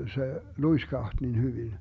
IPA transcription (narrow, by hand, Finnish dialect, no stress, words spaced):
se luiskɑht nin hyʋin